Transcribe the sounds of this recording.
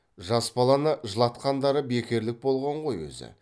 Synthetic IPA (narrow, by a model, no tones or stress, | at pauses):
ʒɑsbɑlˠɑnəʒəlˠɑt̪qɑnd̪ɑɾəbe̞kʲe̞ɾlɪk̚bo̞lˠʁɑɴʁo̞jwɵ̰zɪ̰